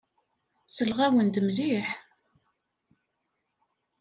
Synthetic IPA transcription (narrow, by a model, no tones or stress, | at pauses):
səlʁæwənd̪əmliħ